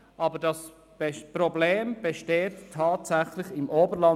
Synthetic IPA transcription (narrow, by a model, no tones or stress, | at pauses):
ʔɑbədɑs | b̥pɾɔbleːmb̥ɛʃteːtʰːɑːtsæχlɪçɪmʔoːbəɾlɑ